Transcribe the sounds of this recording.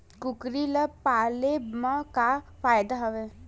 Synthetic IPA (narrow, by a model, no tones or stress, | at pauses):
kʊkɾiləpaːlebmãkafaːjd̪aɦɐʋe